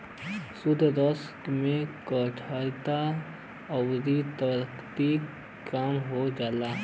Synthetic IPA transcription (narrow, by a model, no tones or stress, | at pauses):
sʊd̪ʱd̪əskmẽkəʈʰat̪a | ɐwd̪it̪əɾkt̪i | kaːmɦod͡ʒaːlaː